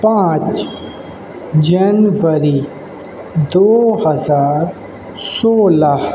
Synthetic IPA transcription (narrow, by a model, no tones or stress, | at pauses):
pãːt͡ʃ | d͡ʒɐnʋəɾi | d̪oːhɐzaːɾ | soːlah